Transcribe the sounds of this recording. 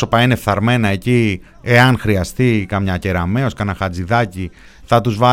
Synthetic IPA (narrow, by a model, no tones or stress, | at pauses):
o̞pɐinefθɐɾme̞nɐe̞ci | eɐnxɾiɐst̪ikɐmɲɐce̞ɾɐme̞o̞skɐnɐxɐd͡ziðɐci | θɐt̪uzvɐ